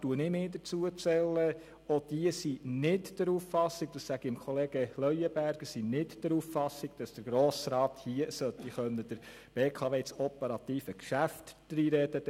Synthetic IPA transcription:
tuənɪmeːd̪ət͡suət͡sɛlːə | ɔd̥iəsinɪtd̥əɾuːfːɑsɪɡ̚d̥̪ɑssæɡ̥iɪmkχɔleːɡ̥əlœʏəbæɾɡ̥əsinɪtd̥əɾuːfːɑsɪɡ̚d̥ɑsd̥əɾɡ̥ɾoːsɾɑːthiəsœt̪ːiχœnəd̥əɾ | b̥eːkʰɑʋeːsɔpəɾɑt̪iːfəkʃæftd̥ɾiːɾɛd̥ə

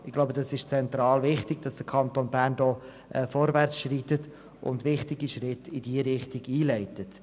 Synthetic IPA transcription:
ɪɡloʊbədɑsɪʃt͡sɛnt̪ɾɑːlvɪχtɪɡ̚d̥ɑsd̥əkʰɑnt̪onbæɾndɔː | ʔɛfɔɾvæɾt͡sʃrit̪ət | ʔʊ̰ndvɪχtɪɡiʃɾɪtɪdiəɾɪχtɪɡiːlɛɪtət

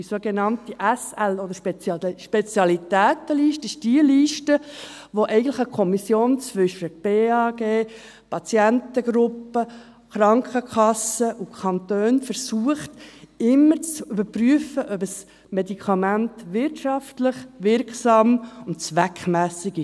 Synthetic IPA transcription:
isoɡenɑntiʔæsælɔdəɾʃpʃpet͡sjɑlitæːt̪əliːʃtəɪʃd̥iəliːʃtəʋoʔɛɪɡəntlɪχəkʰɔmisjoːnt͡sʋʏʃəb̥eːɑːɡeː | pʰɑt͡sjæntəɡ̥ɾʊpːə | χɾɑŋkχəkʰɑsəʔukʰɑnt̪øːnfəɾsuəχtɪmːəɾt͡sybəɾpɾyəfəʔœbəs | mɛdikʰɑmæntʋɪɾtʃɑftlɪχʋɪɾksɑːmʊntt͡sʋækχmæːsɪɡɪʃ

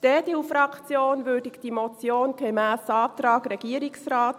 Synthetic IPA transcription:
d̥ɛːdifɾɑkʰt͡sjoːnʋøːdɪkd̥imɔt͡sjoːnɡ̥emæːsɑːt̪ɾɑːɡɾɛɡ̥iəɾɪksraːt

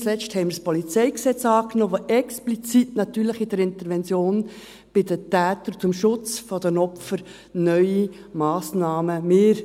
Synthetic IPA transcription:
t͡slɛt͡ʃthɛɪmɪɾspɔlit͡sɛɪksɛt͡sɑːknoːʋoʔɛksplit͡sitnɑt̪yːɾləχid̥ɛɾɪnt̪əɾʋɛnt͡sjoːn | b̥ɪdətæːtəɾt͡sʊmʃʊt͡sfɔd̥̪ənɔpfəɾ | nœʏi | mɑːsnɑːməmɪːɾ

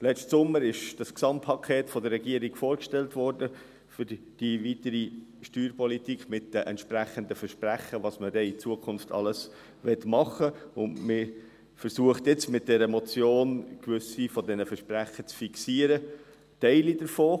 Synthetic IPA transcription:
lɛt͡ʃtsʊmːəɾɪʃd̥ɑsksɑmtpʰɑkʰɛːtfɔdərːɛɡiəɾiɡ̥foːɾkʃtɛltʋɔɾdə | fʏɾ | d̥ivitəɾiʃtyːɾpɔlitikχmɪt̚d̥ɛʔɛ̰ntʃpɾæχəndəfəɾʃpræχəʋɑsmədɛɪt͡suəkʰʊnftʰɑ̰ləs | ʋɛtmɑχəʊndmɪ | fəɾsuəχt̪ɪt͡smɪt̚d̥ɛɾəmɔt͡sjoːnkvʏsifɔdɛnəfəʃpræχət͡sfiksiəɾə | tɛɪlidəɾfoː

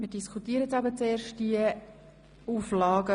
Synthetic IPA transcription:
miədiskʰutiəɾət͡sɑbət͡seːɾʃt̚d̥iə | uːflɑːɡə

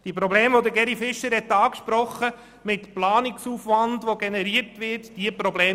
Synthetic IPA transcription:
d̪̥iəpɾɔbleːmʋod̪əɡɛɾifɪʃəɾhɛt̪ːɑːkʃpɾɔχə | mɪtplɑːnɪksuːfʋɑndʋoɡɛnɛɾiəɾtʋɪɾtd̥iəpɾɔbleː

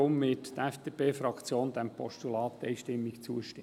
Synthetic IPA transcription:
ʊmːɪt̪d̥̪əæfd̥eːpeːfɾɑkt͡sjoːnd̪æmpʰɔʃtulɑːt̪ːɛjʃtɪmːɪkt͡suəʃtɪ

